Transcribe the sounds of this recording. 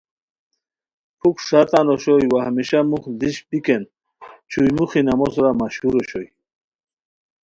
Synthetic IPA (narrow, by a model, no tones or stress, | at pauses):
pʰukʂat̪anɔɕɔjwahmiɕamuχd̪iɕpiken | t͡ɕʰujmuχinamɔsuɾamaɕhuɾɔɕɔj